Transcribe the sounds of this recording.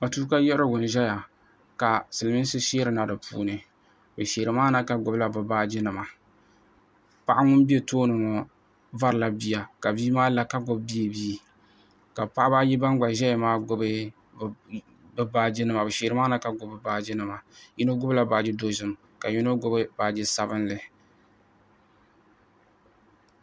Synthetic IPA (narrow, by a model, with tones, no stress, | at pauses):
ma˨tu˦ka˦jɛ˦ɾɨ˦ɡʊ˨n˨ʒɛ˦ja˨ | ka˨sɨ˨lmi˦n˦sɨ˦ʃi˦ɾɨ˨˦na˨dɨ˨pṵː˦nɨ˨ | bɨ˨ʃeː˨ɾɨ˨maː˦na˦ka˦ɡʊ˦bla˦bɨ˨baː˦d͡ʒɪ˦nɨ˨ma˨ | pa˦ʔa˦ŋʊ˦n˦bi˦e˦˨toː˦nɨ˨ŋɔ˨ | va˦ɾɨ˨la˦bi˦ja˨ka˨biː˦maː˦la˨ka˦ɡʊ˨bbi˦e˨biː˦ | ka˨pa˦ʔa˦ba˦jɪ˦ba˦nɡ͡ba˨ʒɛ˦ja˨maː˦ɡʊ˦bɨ˦˨ | bɨ˦baː˦d͡ʒɪ˦nɨ˦ma˨bɨ˨ʃeː˨ɾɨ˦maː˦na˦ka˦ɡʊ˨bɨ˨baː˦d͡ʒɪ˦nɨ˨ma˨ji˦no˦ɡʊ˦bla˦ba˨d͡ʒɪ˦do˦zɨ˦m˦ | ka˨ɲi˦no˦ɡʊ˦bɨ˦baː˨d͡ʒɪ˦sa˦bɨ˦nlɨ˨